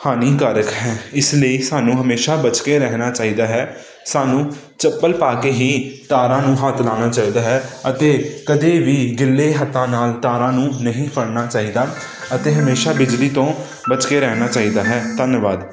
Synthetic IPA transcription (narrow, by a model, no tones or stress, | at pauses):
haːniːkaːɾəkɦɛːɪsləiːsaːnũːɦəmeːʃaːbət͡ʃkeːɾɛɦnaːt͡ʃaːiːd̪aːɦɛː | saːnũː | t͡ʃəpːəlpaːkeːɦiːt̪aːɾãːnũːɦaːt̪ʰlaːnaːt͡ʃaːiːd̪aːɦɛːət̪eːkəd̪eːʋiːɡɪlːeːɦət̪ːãːnaːlt̪aːɾãːnũːnəɦĩːpəɽnaːt͡ʃaːiːd̪aː | ət̪eːɦəmeːʃaːbɪd͡ʒliːt̪õː | bət͡ʃkeːɾɛːnaːt͡ʃaːiːd̪aːɦɛːt̪ənʋaːd̪